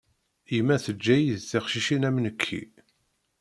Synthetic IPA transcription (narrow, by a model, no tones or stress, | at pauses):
imːæθəd͡ʒːæjiðθiχʃiʃinæmnəkʰːḭ